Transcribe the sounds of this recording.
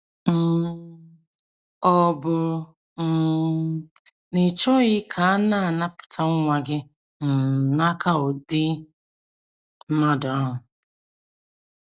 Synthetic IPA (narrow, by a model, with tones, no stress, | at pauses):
m̩˨ | ɔ˨bʊ˨ɾʊ˨ | m̩˨ | nɪ˨t͡ʃɔ˦ɣɪ˦kʰa˨a˦na˦˨na˦pʊ̥˨tʰa˦ŋ˦ŋʷa˨ɡɪ˦ | n̩˨na˦kʰa˦o˨di˦ | m̩˦ma˦dɔ˦ɦʊ˨